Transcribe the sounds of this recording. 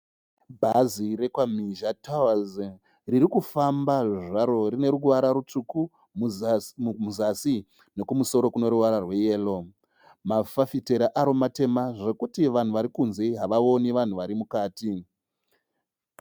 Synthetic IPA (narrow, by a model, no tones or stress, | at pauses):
bʱaziɾe̞kwamiʒatʰawaz | riɾikufambaʐiʐaɾo̞rine̞ɾuwaɾaɾut͡ʂuku | muzasi | ne̞kumuso̞ɾo̞kuno̞ɾuʋaɾarwe̞je̞ːlo̞ | mafafite̞ɾaʔaɾomate̞maʐe̞kutiʋan̤uʋaɾikunze̞iɦaʋao̞niʋan̤uʋaɾimukaːti